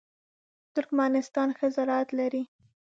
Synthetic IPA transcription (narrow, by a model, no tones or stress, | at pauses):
t̪ʊɾkmanɪst̪ɑnxəzaɾɑat̪laɾi